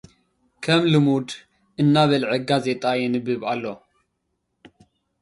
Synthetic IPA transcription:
kʰɐmlɨmud̪ | ʔɨnːaβɐlʕɨɡaze̞t̪ʼajɛnɨbɨβalːo

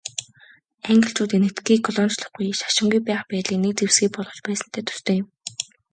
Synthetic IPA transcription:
æŋɡə̆ɬt͡ɕuːt̪enĕt̪ɡiːkʰɔɮɔnt͡ɕɮə̆χɡujʃḁʃɪ̆ŋɡujpæːχpæːt̪ɮiːknek̚t͡sewsɡiːk̚pɔɮʁɞ̆t͡ɕpæːsə̆n̥t̪ʰæːt̪ʰɵ̥st̪oːjɪ̆m

